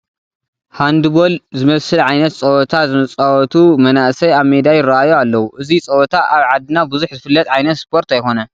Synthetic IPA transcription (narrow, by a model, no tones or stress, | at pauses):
hand̪ɨbo̞lzɨmɐsɨlʕajnɐt̪̚t͡sʼɐwɔt̪ʰazɨmɐt͡sʼawɔt̪ʰumɐnaʔsɐjaβmed̪ajɪraʔajoalːɐwuʔɨzit͡sʼɐwɔt̪ʰaʔaβʕad̪ɨnabuzuħzɨfɨlːɐt̪ʼʕajnɐt̪spʰo̞ɾt̪ajxo̞nɐ